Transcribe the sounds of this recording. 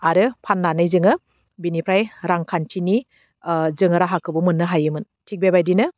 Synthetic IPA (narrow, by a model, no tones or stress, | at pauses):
aɾɯpʰanːanɯjzɯŋɯ | binipʰɾajɾaŋkʰantʰini | zɯŋɯɾaɦakʰɯbumɯnːɯɦajɯmɯn | tʰik̚bebajdinɯ